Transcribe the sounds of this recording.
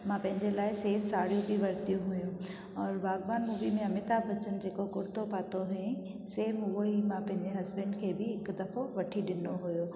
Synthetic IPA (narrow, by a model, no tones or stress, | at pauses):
mãpɐ̃ɦɪ̃ɲd͡ʑelaːɪseːfsaːɽijũbʱiʋɐɾt̪ijũɦʊjũ | ɔːɾbaːɡbaːnmuːbimẽɐmɪt̪abɐt͡ɕən̆d͡ʑeːkokʊɾt̪opaːt̪oɦẽ | seːfɦʊɦoimãpɐ̃ɦɪ̃ɲd͡ʑeɦɐzbə̃ɳɖkʰeːbɪɦɪkd̪ɐfoʋɐʈʰiɗɪnoɦʊjo